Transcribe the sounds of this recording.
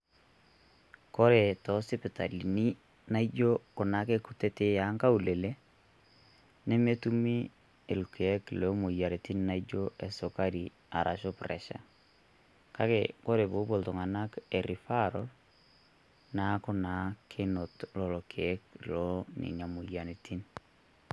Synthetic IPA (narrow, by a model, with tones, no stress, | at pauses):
kɔ˦ɾe˨tɔ˨˦sɪ˦pɪ˨ta˨li˨ni˦ | na˦i˦d͡ʒo˦kʊ˨na˨˦ke˦ku˦te˦te˦ja˦ŋka˦u˨le˨le˦ | ne˦me˦tu˦mi˦ | e˨lke˨ɛ˦klo˦mu˨ja˨ɾe˨ti˦n˦na˦i˦d͡ʒo˦ɛ˨sʊ˨ka˦ɾi˨ | a̰˨ɾʔa̰˨ʃo˦prɛ̰˨ʃa̰˨˦ | ka˦kḛ˨ko˦ɾe˨bo˦bo˨ltʊ˨ŋa˨na˦ke˨ɾi˨fa˦ɾɔ̰˦l | na˦kʊ˦na˨˦kʰe˦no˨tlɔ˨lɔ˨kʰe˨ɛ˦klɔ˦nḭ˨ɲa˨mu˨ja˨ne˨tʰi˦n